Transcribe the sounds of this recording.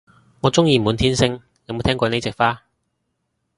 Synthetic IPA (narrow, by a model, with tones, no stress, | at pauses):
ŋɔː˨˧t͡sʊ˥ŋjiː˧mu˨˧nt̪ʰiː˥nsɪ˥ŋ | e˨˧m˨˧t̪ʰɛː˥ŋkʷɔː˧ne˨˥jt͡sɪ˨k̚faː˥